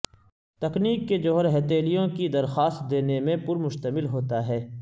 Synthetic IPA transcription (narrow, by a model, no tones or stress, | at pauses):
t̪ɐkniːkːed͡ʒoːɦəɾɦɛːt̪eːlijõkid̪ɐɾxaːst̪̚d̪eːnemẽpʊɾmʊʃt̪əmɪlɦoːt̪aɦɛː